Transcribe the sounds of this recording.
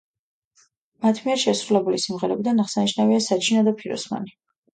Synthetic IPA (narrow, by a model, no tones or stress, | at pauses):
mat̪ʰmiɛɾʃɛsɾulɛbulisimʁɛɾɛbid̪anaχsaniʃnaviasat͡ʃʰinɔd̪apʰiɾɔ̰sma̰ni